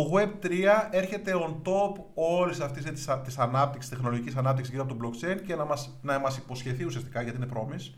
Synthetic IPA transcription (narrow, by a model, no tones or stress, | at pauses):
oɣwe̞b̚t̪ɾiɐe̞ɾçe̞t̪e̞ont̪o̞p | o̞lissɐft̪iset̪t̪isɐnɐp̚t̪iksi̥st̪xno̞lo̞ʝicisɐnɐpt̪iksisziɾoɐpot̪oblokt͡ʃe̞ince̞nɐmɐs | nɐmɐsipo̞sçe̞θiusiɐst̪ikɐʝɐt̪inepɾo̞mis